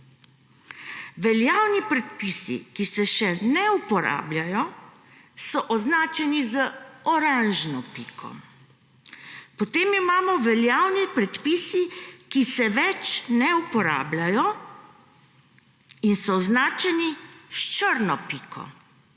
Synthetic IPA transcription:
ʋɛljaːwnipɾɛt̪̚pisḭkisɛʃɛnɛupɔɾa̰ːblʲjajɔ | sɔʔɔznaːt͡ʃɛnizəɔɾanʒnɔpiːkʰɔ̰ | pɔt̪eːmimaːmɔʋɛljaːwnipɾɛt̪pisikisɛʋɛt͡ʃnɛupɔɾa̰ːblajɔ | insɔɔznaːt͡ʃɛniʃt͡ʃəɾnɔpiːkʰɔ̰

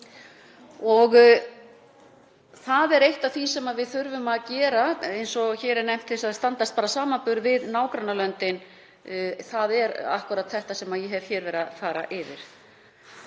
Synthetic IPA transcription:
ɔɣ | θaðɛɾejht̪aθvisɛmaðvɪðθʏɾvʏmaðcɛːɾaejnsɔçɛːɾɪnejm̥t̪ʰsaðθst̪ant̪ast̪̚paːɾasaːmapʏɾvɪðnaːwkɾanːalœnt̪ɪn | θaðɛɾa̰hkʏɾat̪θɛht̪asɛmaðjɛɦɛv̥çɛːɾvɛːɾafaːɾa̰ʔɪvɪ̰ɾ̥

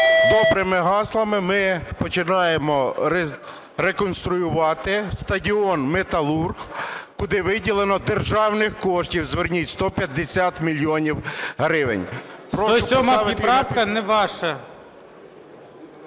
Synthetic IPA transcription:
d̪ɔbɾɪmɪɦɑslˠɐmɪmɪpɔt͡ʃɪnɑjemɔ | ɾekɔnst̪ɾʊjʊʋɑt̪ɪst̪ɐdʲiɔnmet̪ɐlˠurɣkʊd̪ɪʋɪdʲilˠenɔd̪erʒɑwnɪxkɔʃtʲiwzʋɪrnʲitʲst̪ɔpʲjɐd̪ːesʲat̪mʲilʲjɔnʲiwɦɾɪʋɪ̰nʲppɾɔʃʊɔmaɑʋɪt̪ɾapɐnɛʋɑʃɐ

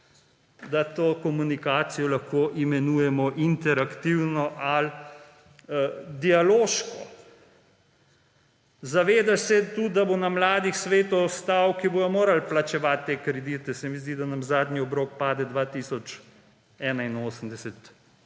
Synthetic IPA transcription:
d̪at̪oːkɔmunikaːt̪sijɔlaxkoʔimɛnuːjɛmɔʔint̪ɛɾakt̪iwnɔʔal | d̪ialoːʃkɔ | zaʋeːd̪asɛt̪ud̪abonamlaːd̪ixsʋeːt̪ɔst̪awkibojɔmoːɾalplat͡ʃɛʋat̪ːeːkɾɛd̪it̪ɛsɛmizd̪id̪anamzaːd̪niɔbɾok̚paːd̪ɛd̪ʋaːt̪iːsɔt͡ʃ | ɛːnainoːsəmd̪ɛsɛt̪

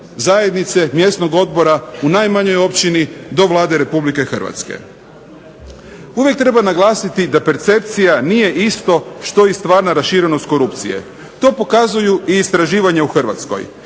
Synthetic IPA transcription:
zaje̞d̪nit̪se̞mje̞sno̞ɡo̞d̪̚bo̞ɾaunajmaɲo̞jo̞pt͡ɕinid̪o̞ʋlˠaːd̪e̞ɾe̞publike̞xrʋa̰t̪skḛ | uʋje̞k̚t̪ɾe̞banaɡlˠaːsit̪id̪ape̞ɾt̪se̞p̚t̪sijaniːje̞ʔist̪o̞ʃt̪o̞jest̪ʋaːɾnaɾasʃiɾe̞no̞st̪̚koɾupt̪sḭjḛ | t̪o̞ːpo̞kazujuiːst̪ɾaʒiːʋaɲeuxr̩ʋa̰t̪sko̞̰j

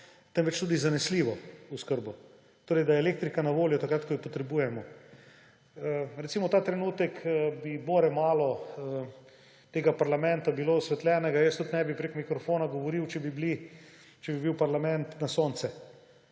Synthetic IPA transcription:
t̪ɛnʋɛt͡ʃt̪uːd̪izanɛsliːʋɔuskəɾbɔ | t̪oːɾɛɪjd̪ajɛleːk̚t̪ɾikanaʋoːljɔt̪akɾat̪̚kɔjipɔt̪ɾɛbuːjɛmɔ | ɾɛt̪simɔt̪aːt̪ɾɛnuːt̪ɛkəbiboːɾɛmaːlɔə | t̪eːɡapaɾlamɛnt̪abilosʋɛt̪lʲɛːnɛɡajəst̪ut̪nɛbipɾekmikɾɔfoːnaɡɔʋɔɾiwt͡ʃɛbibli | t͡ʃɛbibiwpaɾlamɛnt̪nasoːnt̪sɛ

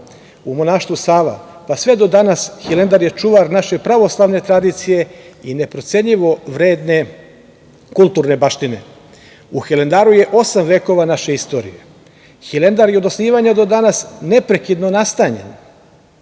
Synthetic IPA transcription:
umo̞naːʃt̪ʋusaːʋa̰ | pasʋe̞d̪o̞d̪anasxilend̪aɾjet͡ʃuʋaɾnaʃe̞pɾaʋo̞slˠaʋne̞t̪ɾad̪it̪sije̞ine̞pɾo̞t̪se̞ɲʎiʋo̞ʋɾe̞ːd̪ne̞ | kulˠt̪uːɾne̞baʃt̪ine̞̰ | uxele̞nd̪aːɾuje̞ʔo̞samʋe̞ːko̞ʋanaʃe̞ist̪o̞ːɾḭjḛ | xilend̪aɾjeod̪osniːʋaɲed̪o̞d̪anasne̞pɾe̞kid̪no̞nast̪aɲḛn

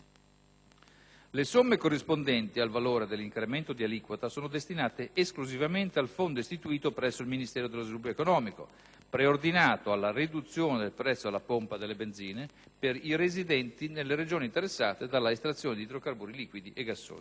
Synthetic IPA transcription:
lesomːekorːispond̪ɛnt̪ialvaloːɾed̪elːiŋkɾement̪od̪ialikwat̪asoːnod̪est̪inaːt̪eʔːskluzivament̪ealfond̪oist̪it̪uiːt̪opɾɛsːoilminist̪ɛːɾod̪elozvilubjoekonɔːmiko̰ | pɾeord̪inaːt̪oalːarid̪ut̪sːjoːned̪elpɾɛt̪sːoalːapompad̪elːebend̪ziːne | peɾirezid̪ɛnt̪inelːeɾed͡ʒoːniːnt̪eɾesːaːt̪ed̪alːaest̪ɾat̪sːjoːned̪it̪ɾokarbuːɾiliːkwid̪iʔeɡːasːo̰ːni

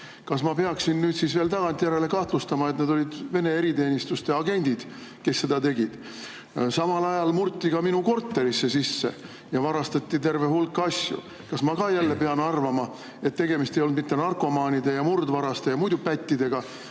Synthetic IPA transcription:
kɑsmɑpe̞ɑksinnyːd̪siːsve̞ːlt̪ɑɡ̥ɑnt̪ːˑijæɾele̞kɑht̪lust̪ɑmɑet̪ned̪o̞lid̪ve̞ne̞eɾit̪e̞ːnʲist̪ust̪eɑɡe̞nʲd̪̥id̪̥ | ke̞sːe̞d̪̥ɑt̪e̞ɡid̪̥ | sɑmɑlɑjɑlmurt̪ʲˑːikɑminuko̞rt̪ːe̞ɾisːe̞sisːḛ | jɑvɑɾɑst̪ɑt̪ʲːit̪e̞rve̞ɦulkːˑɑsjṵ | kɑsmɑkɑjælːe̞pe̞ɑnɑrvɑmɑ | e̞t̪ːe̞ɡe̞mist̪e̞jo̞lnd̪mit̪ːe̞nɑrko̞mɑːnʲid̪e̞jɑmurd̪vɑɾɑst̪e̞jɑmujd̪upæt̪ʲːid̪̥e̞ɡ̥ɑ

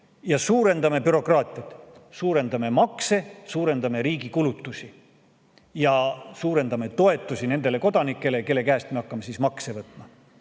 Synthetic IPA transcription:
jɑsuːɾe̞nd̪ɑme̞pyɾo̞kˑrɑːt̪ʲˑiɑt̪ˑsuːɾe̞nd̪̥ɑme̞mɑkse̞suːɾe̞nd̪ɑme̞ɾiːɡikulut̪ːˑusi | jɑsuːɾe̞nd̪ɑme̞t̪o̞e̞t̪ːˑusine̞nd̪̥e̞le̞ko̞d̪ɑnikːˑe̞leke̞lːekæːst̪me̞ɑkːˑɑme̞sismɑksevɤt̪ːˑmɑ

